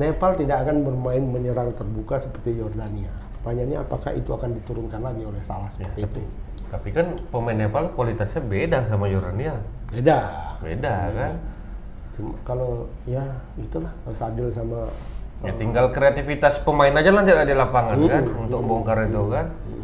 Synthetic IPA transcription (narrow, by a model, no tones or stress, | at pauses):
nepalt̪idakakanbərmaɪnməɲəɾaŋt̪ərbukasəpərt̪ijordania | p̪aɲaɲa̰ːpaka̰hḭt̪uakandit̪uɾʊnkanlaɡiolɛhsalahsə̥jərt̪itu | t̪apikanpəmaɪnːepalkwalit̪asɲabedasamajordania | bedabḛdakan | t͡ʃumakalojaɡit̪ulahsaɡɪlsamaat̪iŋɡalkɾeat̪ifit̪aspəmaɪnad͡ʒalant̪itadilapaŋakanunt̪ʊk̚boŋkaɾit̪ukan̩